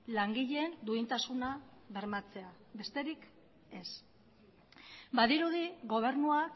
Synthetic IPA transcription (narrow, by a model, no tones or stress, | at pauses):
laŋɡiʎe̞ːnd̪uint̪asunaβe̞ɾmat͡se̞a | βe̞st̪e̞ɾik | e̞s | baðiɾuðiɣo̞β̞e̞ɾnua